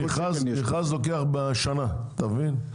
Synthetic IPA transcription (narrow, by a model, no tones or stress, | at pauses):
iχazmiχazlokeaχbeʃanat̪avin